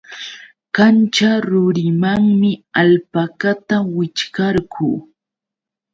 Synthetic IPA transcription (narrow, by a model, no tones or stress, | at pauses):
kant͡ʃaɾʊɾɪmaŋmɪalpakat̪awɪt͡ʃkaɾkuː